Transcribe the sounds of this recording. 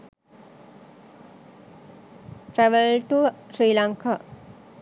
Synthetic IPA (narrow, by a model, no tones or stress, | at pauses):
ʈɾɛʋəlʈusɾiːlaŋkʰa